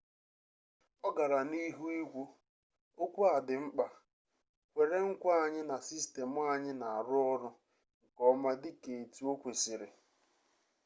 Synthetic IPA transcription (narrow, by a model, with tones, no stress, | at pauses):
ɔ˦ɡa˨ɾa˨ni˦ɦu˦i˦ɡʷu˦ | o˦kʷu˦a˨dɪ˨ŋ͡m̩˦k͡pa˨ | kʷe˨ɾe˦ŋ̩˦kʷa˦a˦˨ɲɪ˦na˨si˦ste˨mʊ˦a˨ɲɪ˦na˨a˨ɾʊ˦ɔ˦ɾʊ˦ | ŋ̩˨kɔ˦ma˦dɪ˦ke˨e˨tu˦o˦kʷe˨si˨ɾɪ˨